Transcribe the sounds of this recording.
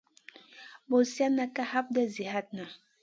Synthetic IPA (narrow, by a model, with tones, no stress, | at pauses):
bo˨sja˦na˦ka˦ha˦p̚dɛ˦zi˨ha˦t̚na˨